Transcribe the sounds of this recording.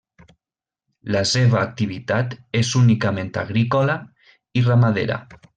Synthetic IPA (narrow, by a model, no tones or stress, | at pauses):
laseβaːk̚t̪iβ̞it̪at̪ezunikamẽnt̪a̰ɣɾikola | iramaðḛɾa̰